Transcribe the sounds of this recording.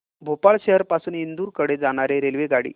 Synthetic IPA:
bʱopaɭɕeɦəɾpasuːnind̪uːɾkəɽed͡zaɽ̃aɾeɾelʋeɡaɽḭː

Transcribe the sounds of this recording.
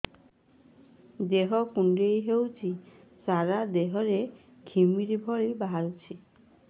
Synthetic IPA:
d̪eɦɔkuɳɖejɦewt͡ʃʰi | saɾad̪eɦɔɾe | ɡʰʱimiɾibʱɔɭibaɦaɾut͡ʃʰi

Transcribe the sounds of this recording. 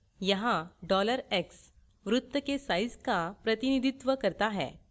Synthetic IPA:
jəɦãɖɔləɾeks | ʋɾut̪ːəkesajd͡zkapɾət̪inid̪ʱit̪ʋəkəɾt̪aɦɛ̰̃

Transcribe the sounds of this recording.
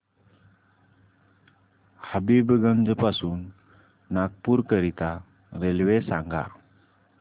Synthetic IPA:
həbibɡənd͡zəpasuːnː | aɡ̚puɾkəɾit̪a | ɾelʋesaŋɡa̰ɾ

